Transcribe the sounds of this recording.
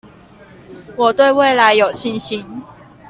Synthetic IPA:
wɔ˨˩t̪we˥˧ɪwe˥˨ɪla˨˦ɪjo˨˩ʊɕi˥˧nɕi˧˦n

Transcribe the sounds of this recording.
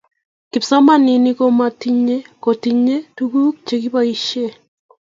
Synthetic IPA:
ki˨psa˦ma˦ni˨ni˦ko˦ma˨ti˦ɲe˦ko˨ti˨ɲe˦tu˦ɡu˦kt͡ʃe˨ki˦βa˦iʃe˦˨

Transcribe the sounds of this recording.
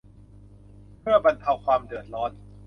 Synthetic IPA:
pʰɯ˥˩ɐba˧nt̪ʰa˧wkʰwaː˧mdɯ˨˩t̪̚ɾɔː˦˥n

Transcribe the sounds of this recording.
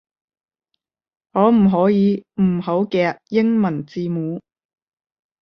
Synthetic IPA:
ŋɔː˨˧m̩˨˩ɦɔː˨˥jiː˨˧m̩˨˩ɦo˨˥wkɛː˧t̚jɪ˥ŋmɐ˨˩nt͡siː˧muː˨˧˥

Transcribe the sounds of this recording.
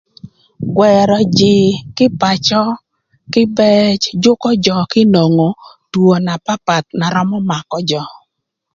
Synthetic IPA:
ɡwɛ˨ɾɔ˨d͡ʒɪ˨kɪ˦pa˨t͡ʃɔ˦ | kɪ˦bɛ˦t͡ʃd͡ʒʊ˦kɔ˦d͡ʒɔ˨kɪ˦no˨ŋo˨ | two˨na˨pa˦pa˨t̪̚na˨ɾɔ˦mɔ˦ma˨kɔ˦d͡ʒɔ˨

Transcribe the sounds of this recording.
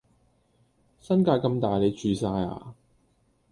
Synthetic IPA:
sɐ˥nkaː˧jkɐ˧mt̪aː˨˩jle˨˧jt͡ʃyː˨saː˧ja̰ː˨˩

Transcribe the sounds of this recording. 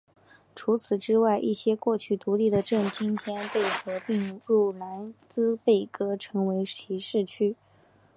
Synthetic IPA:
ʈ͡ʂʰu˧˥t͡sʰɹ̩˨˩ʈ͡ʂɻ̩˥wa˥˧ɪʔi˥˩ɕjɛ˥kwɔ˥˧t͡ɕʰy˥˩t̪u˧˥li˥˩d̪ə˩ʈ͡ʂɤ˥˩ŋt͡ɕi˥nt̪ʰjɛ˥npe˥˩ɪkɤ˧˥pi˥˧ŋɻu˥˩la˧˥nt͡sɹ̩˥pe˥˩ɪkɤ˥ʈ͡ʂʰɤ˧˥ŋwe˧˥ɪi˧˥ʂɻ̩˥˩t͡ɕʰy˥

